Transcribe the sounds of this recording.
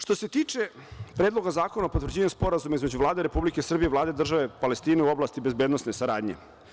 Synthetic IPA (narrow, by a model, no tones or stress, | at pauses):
ʂt̪oset̪iːt͡ʂe̞ | pɾeːd̪lˠo̞ɡazaːkonaopot̪vər̩d͡ʑeːɲuspo̞ɾazumaizmed͡ʑuvlˠaːd̪eɾe̞publikesr̩bijeivlˠaːd̪eid̪r̩ʒaʋepalest̪iːneuo̞blˠaːst̪ibe̞zbed̪no̞sne̞saɾa̰ːd̪ɲḛ